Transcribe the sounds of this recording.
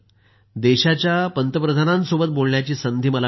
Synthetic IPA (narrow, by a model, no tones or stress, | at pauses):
d̪eɕat͡ɕjapənt̪əpɾəd̪ʱanãnsobət̪̚bolɳjat͡ɕiːsənd̪ʱiːməla